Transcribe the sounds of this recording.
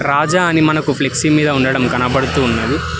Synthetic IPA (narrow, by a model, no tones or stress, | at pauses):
ɾaːd͡ʒaːɐnimɐnɐkupʰleksiːmiːd̪ɐuɳɖɐɽɐmɡɐnɐbɐɽut̪uːnːɐːd̪i